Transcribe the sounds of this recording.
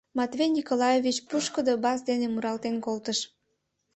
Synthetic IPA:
mɑt̪βenʲikolɑjevit͡ɕpuʃkəd̪obɑzd̪enemuɾɑlt̪enkolt̪əʃ

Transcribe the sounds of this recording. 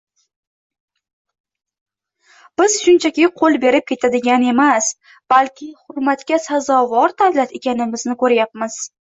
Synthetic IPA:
b̥ɪz̥ʃʊnt͡ʃʰakʲɪqʰolˠbe̞ɾɪp̚kʲʰe̞t̪ʰad̪ɪɡʲane̞mas | b̥alkʲɪhʊɾmat̪kʲasazɒvɒɾd̪avlat̪e̞kʲanɪmɪznɪkʰɵɾajap̚mɪz̥

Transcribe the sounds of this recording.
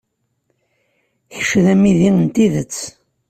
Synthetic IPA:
çə̥ʃːðæmiðiənt̪iðət͡sː

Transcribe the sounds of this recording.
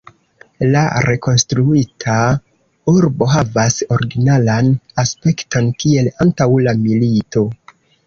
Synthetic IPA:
la̰ɾʔe̞ko̞nstɾuitʰa | uɾbo̞ɦavaso̞ɾɡinalanaspe̞kto̞nkie̞lantawlamilito̞

